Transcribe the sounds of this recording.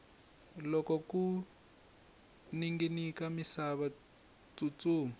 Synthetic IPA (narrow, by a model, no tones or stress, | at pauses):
lɔkɔku | niŋɡinikamisaβa | t͡sut͡suːm